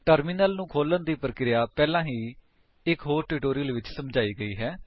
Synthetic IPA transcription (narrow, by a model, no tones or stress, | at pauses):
ʈəɾminəlnũːkʰoːlənd̪iːpəɾəkɾɪjaːpɛːlãːɦiː | ɪkɦoːɾʈɪʈoːɾijəlʋɪt͡ʃsəmd͡ʒaːiːɡəiːɦɛː